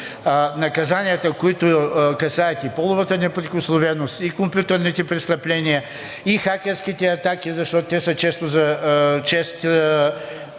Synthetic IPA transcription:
nɐkɐzaniɐt̪əkoit̪ʊkɐsaɛt̪ipɔlˠʊvɐt̪ənɛpɾikoslˠovɛnost̪ikompjut̪ɛɾnit̪ɛpɾɛst̪ɐplʲɛniɐ | ixakʲɛɾskit̪ɛɐt̪ak̟izɐʃt̪ɔt̪ʊt̪ɛsət͡ʃɛst̪ʊzɐt͡ʃɛst̪

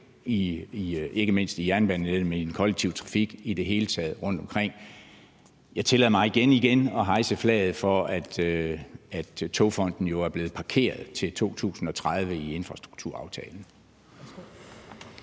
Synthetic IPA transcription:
iie̝ɡ̥əme̝n̰sd̥ijæɐnb̥æn̰n̩edmenid̥enkʰɒ̽leɡ̥̚t͡sʰiʊ̰t͡sʰʁɑ̈fiɡ̥id̥e̝ɦe̝ːlət͡sʰɛːð̞̩ˠʁɔ̽n̰d̥ɒ̽mkʰʁeŋ̰ | jɑ̈ɪt͡sʰe̝lɛ̰ð̩̰ˠmɑ̈ɪiɡ̥eniɡ̥enɒ̽ɦɑ̈ɪsəflɛ̰ːð̞̩ˠfɒ̽æd̥ | æd̥t͡sʰo̝fɒ̽n̰d̥n̩jo̝æɐb̥le̝ːð̩ˠpʰɑ̈kʰe̝̰ːɐð̞ˠt͡sʰe̝lt͡sʰo̝̰ːt͡sʰṵːsn̩ɒ̽t͡sʰʁɑð̞ˠʋəie̝nfʁɑ̈sd̥ʁuɡ̥̚t͡sʰuɐ̰ɑ̈ʊt͡sʰɛːln̩

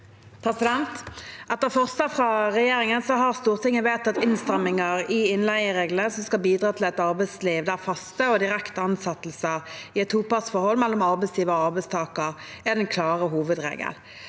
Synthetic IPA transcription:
pʰɾɛsɪd̪ɛnt̪ʔɛt̪ːəfɔʁsəfʁɑʁɛjeːʁɪŋənsɔɦɑʁst̪uːʁt̪ʰɪŋːəʋeːt̪ɑt̪ɪnst̪ʁɛmːɪŋəʁɪɪnlæɪəʁeːɡləsɔmskɑlbiːd̪ʁɑːt̪ʰɪlɛt̪ɑʁbæɪsliːʋd̪æʁfɑst̪əɔd̪ɪɾɛkt̪əɑnsɑt̪l̩səʁɪɛt̪ʰːuːpɑsfɔʁhɔlmɛlːɔmɑʁbɛɪsiːʋəɔɑʁbɛɪst̪ʰɑːkəʁ | æd̪ɛnkʰlɑːʁəɦuːʋəd̪ʁḛːɡə̰l

